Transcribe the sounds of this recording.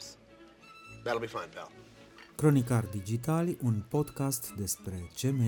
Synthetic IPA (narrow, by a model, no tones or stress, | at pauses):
ðæɾl̩ˠbifãɪ̃nbʰɛ̰lˠ | kɾo̞nikard̪id͡ʒit̪alʲunpo̞d̪kast̪d̪e̞spɾe̞t͡ʃe̞me